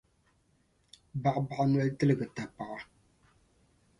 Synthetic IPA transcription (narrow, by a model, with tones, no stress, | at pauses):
ba˨ʔba˨ʔa˦nɔ˦ʔtɨ˦lɨ˨ɡə˨ta˨pa˨ʔa˦